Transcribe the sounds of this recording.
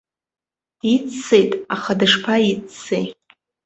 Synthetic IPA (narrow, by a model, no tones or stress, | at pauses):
d̥it͡sejtʼaχadɨʂpʰait͡sːej